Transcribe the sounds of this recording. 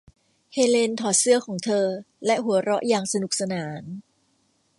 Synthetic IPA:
heː˧le˧nt̪ʰɔː˨˩sɯ˥ɐkʰɔː˩˦ŋt̪ʰɤː˧ | lɛ˦˥ʔɦu˩˦ɐɾɔ˦˥ʔjaː˧ŋsa˧nu˨˩k̚sa˧naː˩˦n

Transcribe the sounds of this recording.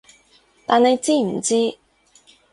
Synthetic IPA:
t̪aː˨ne˨˧jt͡siː˥m̩˨˩t͡siː˥

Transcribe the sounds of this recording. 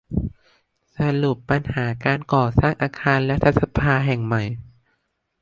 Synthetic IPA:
sa˧lu˨˩pːa˧nhaː˩˦kaː˧nkɔː˨˩saː˥˩ŋʔaː˧kʰaː˧nlɛ˦˥t̪ʰa˦˥t̪̚sa˧pʰaː˧ɦɛ˨˩ŋma˨˩j

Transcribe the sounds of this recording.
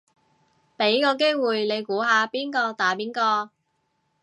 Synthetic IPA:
pe˨˥jkɔː˧k̬eː˥jwuː˨jle˨˧jkuː˨˥ɦaː˧piː˥nkɔː˧t̪aː˨˥piː˥nkɔː˧

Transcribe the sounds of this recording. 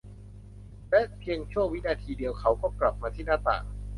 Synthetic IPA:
lɛ˦˥ʔpʰi˧əŋt͡ɕʰu˥˩əŋwi˦˥naː˧t̪ʰiː˧di˧əwkʰa˦˥wkɔː˥˩kla˨˩p̚maː˧t̪ʰiː˥˩naː˥˩t̪a̰ː˨˩

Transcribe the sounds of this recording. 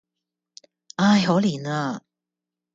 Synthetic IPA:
aː˧jɦo˨˥wliː˨˩naː˧

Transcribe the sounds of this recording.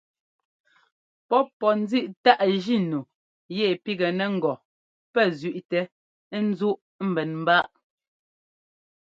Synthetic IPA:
pɔ˦pɔ˨n̩˦zi˦ʔta˦ʔʒi˦˨nu˨ | je˨pi˦ɡɛ˨nɛ˨ŋ̩˨ɡɔ˨ | pɛ˦˨zʉ˨ʔtɛ˨˦ | n̩˦zu˦ʔ | m̩˦˨bɛ˨nm̩˦ba˦ʔ

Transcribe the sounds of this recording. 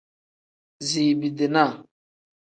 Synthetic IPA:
zi˨bi˨de˨na˦˨

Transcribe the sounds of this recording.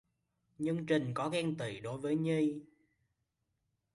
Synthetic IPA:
ɲɨ˧ŋt͡ɕï˨˩ŋ̟kɔ˨˦ɣɛ˧ŋt̪i˧˩˨ɗo˨˦jvəː˨˦jɲi˧j

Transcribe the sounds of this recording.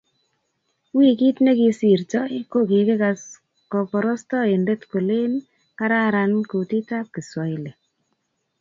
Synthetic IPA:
wi˦ki˦tne˦ki˧si˨ɾtɔ˦ko˦ki˨kɪ˦kas | kɔ˨pɔ˨ɾɔ˦stɔ˦e˨nde˦tko˨le˦n | ka˦ɾa˦ɾanku˨ti˦ta˦p̚ki˨swɔ˨i˨le˨

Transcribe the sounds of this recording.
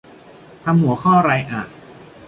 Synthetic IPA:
t̪ʰa˧mhu˩˦ɐkʰɔː˥˩ɾa˧jʔaː˨˩t̚

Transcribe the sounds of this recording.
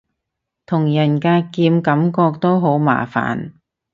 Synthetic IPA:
t̪ʰʊ˨˩ŋjɐ˨˩nkaː˧kiː˧mkɐ˨˥mkɔː˧k̚t̪o˥wɦo˨˥wma̰ː˨˩fa̰ː˨˩n

